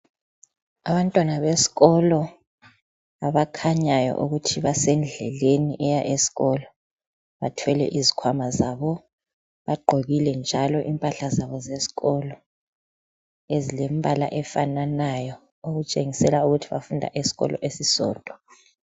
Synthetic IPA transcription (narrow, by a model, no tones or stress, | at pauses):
aβantʼwanaβesi̥ɣɔlɔ | aβakʰaɲajɔ̰ʔuɣutʰiβasɛnd͡ɮʱɛleniʔɛjaʔesi̥ɣɔlɔ | βa̰tʰwɛlɛ̰ʔizikʰwamazaβɔ | βaɡ͡ǃʱoɣilɛnd͡ʒʱalɔʔimpʼaɬazaβɔzesi̥ɣɔlɔ | ezilembʱala̰ʔɛfananajɔ | oɣut͡ʃʼeŋisɛlauɣutʰiβa̰fundʱa̰ʔesi̥ɣɔ̰lʔɔ̰ʔesisɔ̰ːd̥ʱɔ